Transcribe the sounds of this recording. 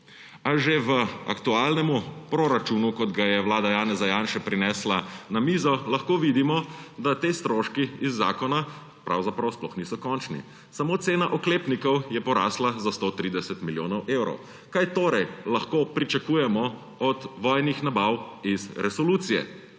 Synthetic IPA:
aʒeʋəa̰kt̪uaːlnɛmupɾoɾat͡ʃuːnukɔd̪ɡajɛʋwlaːd̪ajaːnɛzajanʃɛpɾinɛːslanamizɔlaxkoːʋid̪imɔd̪at̪eːst̪ɾoːʃkiizːa̰ːkɔna | pɾa̰wzapɾawsplɔxnisɔkɔnt͡ʃnḭ | samoːt̪seːnaʔɔkleːpnikɔwjɛpɔɾa̰ːslazast̪ot̪ɾid̪ɛsɛt̪miljoːnɔwʔeːwɾɔ̰w | kajt̪oːɾɛjlaxkoːpɾit͡ʃakuːjɛmɔ | ɔd̪ʋɔjnixnabawizɾɛsɔluːt̪sijɛ̰

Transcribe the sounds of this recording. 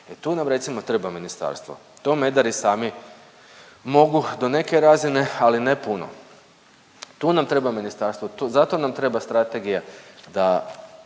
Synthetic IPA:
et̪uːnamɾe̞t̪simot̪ɾebaminist̪a̰ɾst̪ʋo̰t̪o̞me̞d̪aɾisaːmi | mo̞ɡud̪o̞ne̞ke̞ɾazine̞aline̞puno̰ | t̪uːnamt̪ɾe̞baminist̪aɾst̪ʋot̪ozat̪o̞namt̪ɾe̞bast̪ɾat̪eɡijad̪a

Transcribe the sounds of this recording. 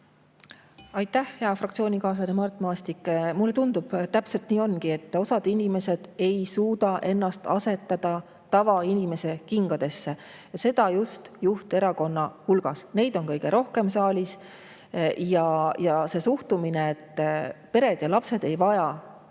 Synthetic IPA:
ɑjt̪ːˑæhjɑfrɑkt̪sio̞ːnʲikɑːs̬ɑd̪emɑrt̪ːˑmɑːst̪ikːˑmulːe̞t̪und̪ub̥t̪æpse̞lt̪niːo̞nkie̞t̪ːˑo̞sɑd̪̥inʲime̞se̞d̪̥e̞jsuːd̪̥ɑʔe̞nːɑst̪ɑse̞t̪ːˑɑd̪̥ɑ | t̪ɑvɑinʲime̞se̞kiŋɡɑd̪̥e̞sːe̞ | jɑse̞d̪̥ɑjust̪juht̪e̞ɾɑko̞nːɑhulɡ̥ɑsne̞jd̪̥o̞nkɤjɡ̥e̞ɾo̞hke̞msɑːlʲis | jɑjɑse̞suht̪umineet̪ːˑpe̞ɾe̞d̪̥jɑlɑpse̞d̪̥e̞jvɑjɑ

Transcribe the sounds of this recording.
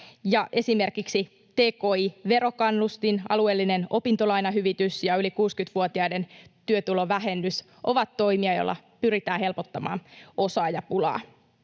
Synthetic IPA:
jɑʔe̞sime̞rkiksi | t̪e̞ːko̞ːiʋe̞ɾo̞kɑnːust̪inɑ̰lue̞ːlːine̞no̞pint̪o̞lɑjnɑɦyʋit̪ysjɑylikuːskyt̪ʋuot̪iɑjde̞nt̪yøt̪ulo̞ʋæɦe̞nːys | ʔo̞ʋɑt̪ːo̞jmiɑjo̞̰lːɑ̰pyɾit̪æːɦe̞lpo̞t̪ːɑmɑ̰ːno̞sɑːjɑpulɑ̰ː

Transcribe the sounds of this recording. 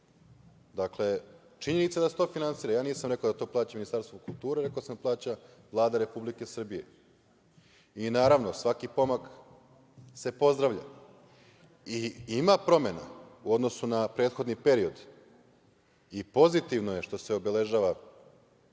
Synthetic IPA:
d̪akle̞ | t͡ʃiɲe̞nit̪sad̪aset̪o̞ːfinansiːɾajaːniːsamɾe̞kaod̪at̪o̞ːplˠaːt͡ɕaminist̪aɾst̪vokulˠt̪uːɾeɾe̞koasamplˠaːt͡ɕa | ʋlˠaːd̪aɾe̞publike̞sr̩bije̞̰ | inaːɾaʋno̞sʋakipo̞mak | se̞po̞zd̪ɾaʋʎa̰ | iimapɾo̞me̞na̰uo̞d̪no̞sunapɾe̞ːd̪xo̞d̪nipe̞ɾio̞d̪ | ipo̞zit̪iʋno̞je̞ʃt̪o̞seo̞be̞le̞ʒaːʋa

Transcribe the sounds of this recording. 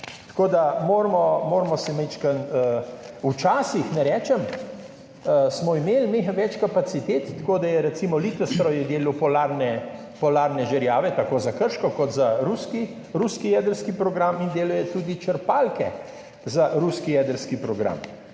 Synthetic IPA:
t̪koːd̪amoːɾmɔmoːɾmɔsɛmet͡ʃkənəut͡ʃaːsixnɛɾɛːt͡ʃɛm | smɔimeːlmiʋɛt͡ʃkapat̪sit̪eːt̪ːakoːd̪ajɛɾɛt̪simɔlit̪əst̪ɾɔjɛd̪eːluwpɔlaɾnɛ | pɔlaːɾnɛʒɛɾjaːʋɛt̪akoːzakəɾʃkɔkɔt̪zaɾuski | ɾuskijɛːd̪əɾskipɾɔɡɾamind̪eːlujɛt̪uːd̪it͡ʃəɾpalkɛ̰ | zaɾuskijɛːd̪əɾskipɾɔɡɾa̰m

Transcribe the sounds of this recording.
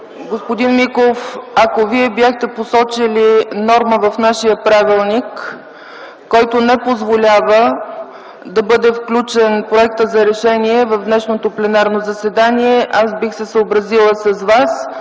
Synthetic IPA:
ɡospod̪inmikofɐkoviɛbʲjaxt̪ɛposɔt͡ʃilinɔɾməvɐfnaʃijəpɾavilˠnik | ɔjt̪onɛpozvolʲavə | d̪ɐbɤd̪ɛfklʲut͡ʃɛnpɾoɛk̚t̪əzɐɾɛʃɛniɛvɐvd̪nɛʃnot̪oplɛnaɾnozɐsɛd̪aniɛʔasbixsɛsəobɾəzilˠəsɐzvas

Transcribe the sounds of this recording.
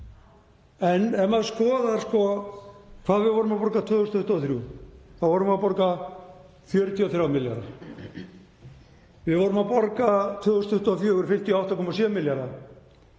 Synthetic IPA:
ɛnɛmaðskɔːðaɾskɔ | kʰv̥aːðvɪðvɔːɾʏmapɔɾkat̪ʰvʏːhʏst̪ʏht̪aθɾjukʰvaðvɔːɾʏmawpɔɾka | fjœɾt̪iɔθɾjawmɪlja̰ɾa̰ | vɪðvɔːɾʏmawpɔɾkat̪ʰʏːðhʏst̪ʏht̪uafjʏːɾfɪm̥t̪ijɔawht̪akʰɔːmasjɛmɪljaɾa

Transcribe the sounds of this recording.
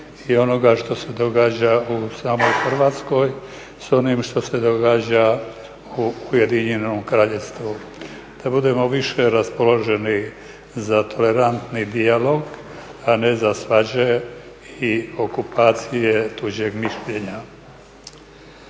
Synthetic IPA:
io̞no̞ɡaʃt̪o̞se̞d̪o̞ɡaːd͡ʑausaːmo̞jxr̩ʋaːt̪sko̞j | so̞nimʃt̪o̞se̞d̪o̞ɡaːd͡ʑa | uːje̞d̪iɲenomkɾaːʎe̞st̪ʋu | d̪̥abud̪e̞mo̞ʋiʃe̞ɾaspo̞lo̞ʒe̞ni | zat̪ʰo̞le̞ɾant̪nid̪ialo̞ɡ | ane̞zasʋad͡ʑe | io̞kupʰaːt̪sije̞t̪uʑe̞ɡmiʃʎe̞ɲa

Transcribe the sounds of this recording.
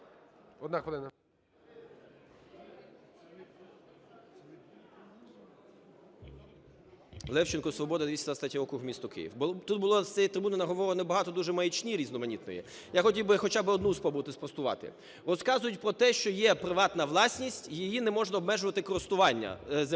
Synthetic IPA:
ɔd̪naxʋɐlɪnɐ | lˠɛwt͡ʃɪnkɔsʋɔbɔd̪ɐd̪ʋisʲɐd̪ʋɐst̪at̪ʲiɔkɾʊɣmʲist̪ɔkɪ̰jḭwbt̪ut̪̚bʊlˠɔssʲɛjit̪ɾɪbunɪnɐɦɔʋɔʋenɛbɐɦɑt̪ɔd̪uʒɛmɐjit͡ʃnʲiɾʲiznɔmɐnʲit̪nɔ̰jḭ | jaxɔtʲiwbɪxɔt͡ʃabɪɔd̪nuspɔbut̪ɪspɾɔst̪ʊʋɑ̰t̪ɪ̰ | ɾɔskɑzʊjʊtʲpɾɔt̪ɛʃt͡ʃɔjɛpɾɪʋɑt̪nɐʋlˠɑsʲnʲisʲtʲjijinɛmɔʒnɐɔbmɛʒʊʋɐt̪ɪkɔɾɪst̪ʊʋɑnʲːɐ̰z

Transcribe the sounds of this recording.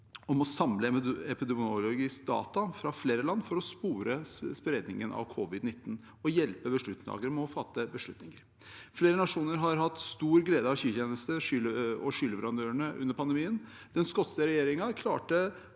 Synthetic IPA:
ɔmɔsɑmləɛpɪd̪ɛmʊɔlɔɡɪskd̪ɑ̰ːt̪ɑfɾɑfleːɾəlɑnːfɔɾɔspuːɾəspɾeːd̪nɪŋənʔɑ̰ʋkʰɔʋɪd̪nɪt̪ːn | ɔjɛlpəbəʂɭʉt̪nɑ̰ːɡəɾmɛɔfɑt̪ːəbəʂɭʉt̪nɪŋəɾ | fleːɾənɑʂuːnəɾɦɑɾɦɑt̪ːst̪uːɾɡleːd̪əɑʋçyːçeːnəst̪əʂʏləɔʂʏləʋəɾɑnd̪øːəɳəʔʉ̰nːəɾpʰɑnd̪ɛmiːən | d̪̥ɛnskɔt̪səəɾɛjeːɾɪŋɑkʰlɑ̰ːʈə

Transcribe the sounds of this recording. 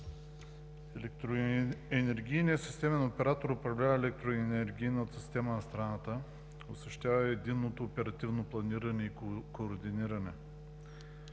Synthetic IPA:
ɛlɛkt̪ɾɛnɛɾɡ̟ijnijəsi̥st̪ɛmɛnopɛɾat̪oɾʊpɾɐvlʲavəɛlɛk̚t̪ɾoɛnɛɾɡʲijnət̪sist̪ɛmɐnɐst̪ɾanat̪ə | osɐʃt̪ʲavɐɛd̪inːot̪oːpɛɾɐt̪ivnoplˠɐniɾɐnɛikoːɾd̪iniɾɐnɛ

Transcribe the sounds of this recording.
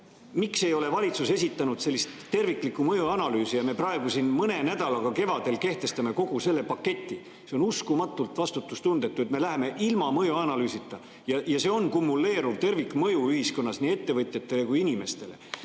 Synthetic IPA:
mikse̞jo̞le̞vɑlʲit̪suse̞s̬ʲit̪ˑːɑnud̪̥se̞lːist̪ːe̞rvikːˑlikːˑumɤjuɑnɑlyːsijɑme̞prɑe̞ɡ̥usinmɤne̞næd̪̥ɑlɑɡ̥ɑke̞vɑd̪̥e̞lke̞ht̪e̞st̪ɑme̞ko̞ɡ̥use̞lːe̞pɑkːe̞t̪ʲːˑi | se̞onuskumɑt̪ːˑult̪ˑvɑst̪ut̪ːˑust̪und̪̥e̞t̪ːˑuet̪me̞læɦeme̞ʔilmɑmɤjuɑnɑlyːsit̪ːˑɑ | jɑjɑse̞ːonkumːulːe̞ːɾuvt̪e̞rvikːˑmɤjuyhisko̞nːɑsniːe̞t̪ːe̞vɤt̪ʲjet̪ːe̞le̞kujinʲime̞st̪e̞le̞̰

